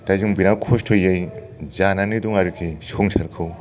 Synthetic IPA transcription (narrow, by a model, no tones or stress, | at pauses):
tajzuŋbinakʰostʰojːej | zananiduŋaɾukʰisoŋsʰaɾkʰɯw